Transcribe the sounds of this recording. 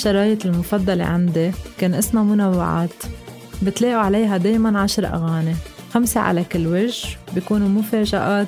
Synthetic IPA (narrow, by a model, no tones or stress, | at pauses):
ʃɑɾˤɑːjɪt̪ɪlmʊfɑd̪ˤːɑlḛʕand̪ikeːnʔɪsmamʊnawːa̰ʕa̰ːt̪ | bɪt̪leːʔuʕalejɦad̪eːjmanʕaʃɾˤʔa̰ɣaːne | xamsaʕa̰lakɪlːwɪʒbikuːnumʊfeːʒaʔaːt̪